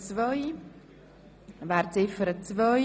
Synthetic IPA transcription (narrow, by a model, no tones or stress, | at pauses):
t͡svɔj | vaːɾt͡sɪfəɾət͡svœj